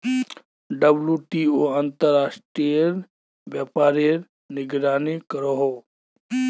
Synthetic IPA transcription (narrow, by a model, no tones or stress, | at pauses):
ɖəbljuʈiːoə̃nt̪əɾːaːsʈɾijəɾ | ʋjaːpaːɾiɾ | nɪɡɾaːnikəɾoɦoː